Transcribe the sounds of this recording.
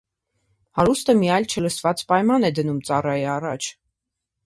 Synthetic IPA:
hɑɾust̪əmiɑjlt͡ʃʰələsvɑt͡spɑjmɑnɛd̪ənumt͡sɑrɑjiɑrɑt͡ʃʰ

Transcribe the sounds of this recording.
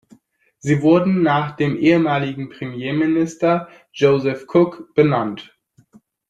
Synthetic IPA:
z̥iːvʊɐdn̩naːχd̥eːmʔeːəmaːlɪɡŋ̩pʁ̥emjeːmɪnɪstɐ | d͡ʒoːzɛfkʰʊkb̥ənant

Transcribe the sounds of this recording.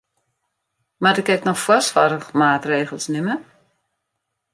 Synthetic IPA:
madɪkɛk̚nɔxfwɔsfaɾəxmaːtreːɣəlˠsnɪmə

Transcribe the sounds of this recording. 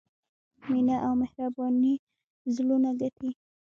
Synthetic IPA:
minaʔawmɪhɾabɑni | zlunaɡaʈʰi

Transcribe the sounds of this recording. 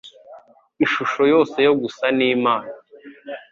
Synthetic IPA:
iʃuʃo̞jo̞ːse̞jo̞ɡusaniːmaːna

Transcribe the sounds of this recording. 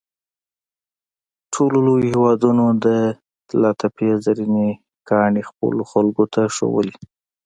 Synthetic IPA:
ʈʰololojohewɑd̪unod̪ə | lɑt̪apezaɾine | kɑɳixpə̰loxalɡot̪ʰaʂo̰wə̰li

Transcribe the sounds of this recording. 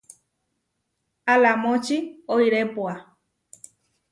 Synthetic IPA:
alamõt͡ʃioiɾepua

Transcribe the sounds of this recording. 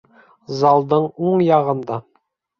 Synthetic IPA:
zɑlˠd̪ɤɴoɴjɑʁɤ̆nd̪ɑ

